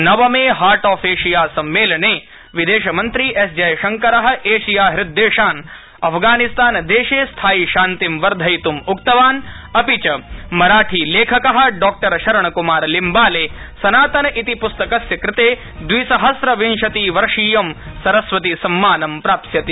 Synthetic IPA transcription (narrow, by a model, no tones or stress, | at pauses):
nɐʋɐmeːɦaːɾʈaːfʰeːʂijaːsɐmːeːlɐɳeː | ʋid̪eːʃɐmɐnt̪ɾiʔesd͡ʒɐjɐʃɐŋkɐɾɐɦɐ̆ʔeːʂijaːɦɾɪd̪ːeːʂaːn | ɐpʰɡaːnist̪aːnɐd̪eːʂeːst̪ʰaːjiʃaːnt̪imʋɐɾd̪ʱɐjt̪umukt̪ɐʋaːnɐpit͡ʃɐmɐɾaːʈʰiːleːkʰɐkɐɦɐ̆ɖɔːk̚ʈɐɾʃɐɾɐɳɐkumaːɾlimbaːleː | sɐnaːt̪ɐnɐʔit̪ipust̪ɐkɐsjɐkɾɪt̪eː | d̪ʋisɐɦɐsɾɐʋinʃɐt̪iːʋɐɾʂiːjɐmsɐɾɐsʋɐt̪isɐmːaːnɐmpɾaːpsjɐt̪i